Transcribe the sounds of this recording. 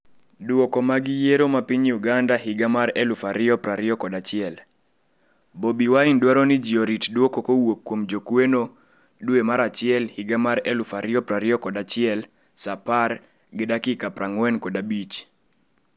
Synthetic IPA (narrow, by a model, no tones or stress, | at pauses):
duwɔkɔmaɡɪjeɾomapiɲuɡandaɦiɡamaɾɛlufaɾɪɔpɾaɾɪɔkɔdat͡ʃɪɛl | bobiwaindwaɾɔnid͡ʒioɾitdwɔkokowokːwomd͡ʒokweno | duemaɾat͡ʃɪɛlhiɡamaɾɛlufaɾɪɔpɾaɾɪɔkɔdat͡ʃɪɛl | sapaɾ | ɡɪdakikapɾaŋwɛnkɔdabit͡ʃ